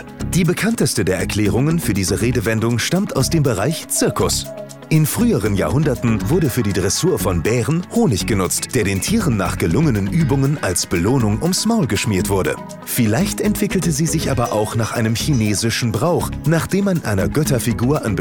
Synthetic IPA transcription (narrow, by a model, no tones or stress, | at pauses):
d̥iːbəkʰantəstədeːɐɛɐkʰl̥ɛːʁ̞ʊŋənfyːɐdiːzəʁeːdəvɛndʊŋʃtamtaʊsd̥eːmbəʁaɪçt͡sɪɐkʰʊs | ʔɪnfʁ̥yːəʁ̞ənja̰ːhʊndɐtn̩vʊɐɾəfyːɐdiːdʁɛsuːɐfɔnbɛːʁənhoːnɪçɡ̥ənʊt͡std̥eːɐɾeːntʰiːʁənːa̰ːχɡ̥əlʊŋənənʔyːbʊŋənʔalsb̥əloːnʊŋʔʊmsmaʊlɡəʃmiːɐtv̥ʊɐdə̰ | fɪlaɪçtɛntv̥ɪkl̩təziːzɪçʔa̰ːbɐʔaʊxnaːχʔa̰ɪnəmçineːzɪʃn̩bʁaʊχnaːχd̥eːmːanʔa̰ɪnɐɡœtɐfiɡuːɐʔanb